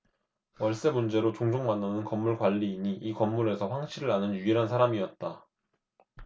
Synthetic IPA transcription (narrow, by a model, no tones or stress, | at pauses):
wʌɭs͈e̞mund͡ʑe̞ɾot͡ɕoŋd͡ʑʰoŋmanːanɯnkʌmːuɭkwaʎːiːɲiʔikʌmːuɾe̞sʰʌɸwaŋɕʰiɾɯɾanɯnjuiɾɦansʰaɾamiʌt̚t͈a